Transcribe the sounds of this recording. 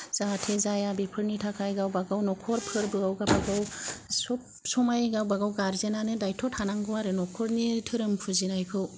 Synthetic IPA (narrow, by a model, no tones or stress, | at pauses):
z̥atʰezajabepʰɯɾnitʰakʰajɡawbaɡawnɔkʰɔɾpʰɯɾbɯawɡabaɡawsɔp | sɔmajɡawbaɡawɡaɾzenanɯdajtʰɔtʰanaŋɡɯwaɾɯnɔkʰɔɾnitʰɯɾɯmpʰuzinajkʰɯw